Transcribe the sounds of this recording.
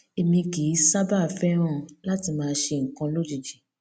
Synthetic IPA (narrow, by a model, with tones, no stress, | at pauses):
e˧mĩ˧ɡi˨˦sa˦ba˦˨fɛ˦ɾ̃ã˦˨la˦ti˧mãː˧˦ʃe˧ŋ̩˨kã˧lo˦d͡ʒi˨d͡ʒi˨